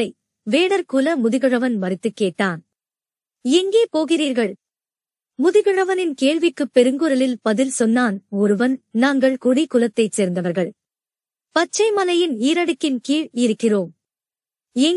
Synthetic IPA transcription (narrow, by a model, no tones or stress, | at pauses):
ɐɪ | ʋeːɽɐɾkʊlɐmʊðɪɣɯrɐʋɐnmɐɾɪt̪ːɯkːeːʈːaːn | ɛŋɡeːpoːɣɪriːɾɣɐɭ | mʊðɪɣɯrɐʋɐnɪnkeːɻʋɪkːɯpːɛɾɯŋɡɯɾɐlɪlpɐðɪlsɔnːaːnɔɾɯʋɐnnaːŋɡɐɭkɔɽikʊlɐt̪ːɐɪt͡ʃeːɾnd̪ɐʋɐɾɣɐɭ | pɐt͡ʃːɐɪmɐlɐjɪniːɾɐɽɯkːɪnkiːɻɪɾɯkːɪroːm | ɛŋ